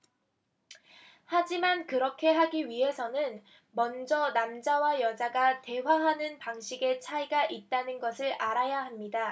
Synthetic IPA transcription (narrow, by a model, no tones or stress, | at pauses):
had͡ʑimankɯɾʌkʰe̞ɦaɡiɥiɦe̞sʰʌnɯn | mʌnd͡ʑʌnamd͡ʑawajʌd͡ʑaɡate̞waɦanɯnpaŋɕʰiɡe̞t͡ɕʰaiɡaʔit̚t͈anɯnɡʌsʰɯɾaɾajaɦamɲida